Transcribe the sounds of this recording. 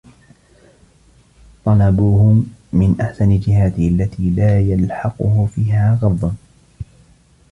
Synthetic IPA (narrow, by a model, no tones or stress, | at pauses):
t̪ˤɑlɑbuːhʊːɪnʔaħsanɪd͡ʒɪhaːd̪ɪhʔalːat̪iːlaːjalħɑqʊ̰hʊfiːɦaːɣɑðˤːɑn